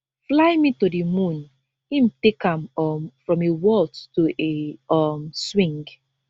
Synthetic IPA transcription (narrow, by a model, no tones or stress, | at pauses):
flajmĩtodimũn | ĩm̩tekãmɔmfɹɔ̃mewɔlttoʔeɔmswĩŋɡ